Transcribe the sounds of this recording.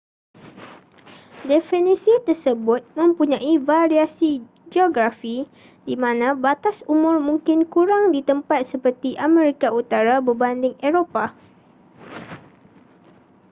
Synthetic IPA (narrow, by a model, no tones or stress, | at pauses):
dɛfinisit̪ərsəbʊt̪̚mə̃mpuɲãʔivaɾiasi | d͡ʒoɡɾafi | dimãnãbat̪asumʊrmũŋkɪnkuɾaŋdit̪əmpat̪̚səpərt̪iʔamɛ̃ɾikaut̪aɾabəbandɪŋeɾopa